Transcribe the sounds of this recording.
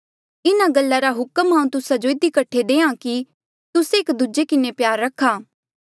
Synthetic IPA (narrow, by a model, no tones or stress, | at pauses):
ɪnaɡɐlːaɾaɦʊkəmɦãːũt̪ʊsad͡ʒoɪd̪ikɐʈʰːed̪eːãki | t̪ʊseɪkd̪ud͡ʒekɪnepjaːɾːɐkʰaː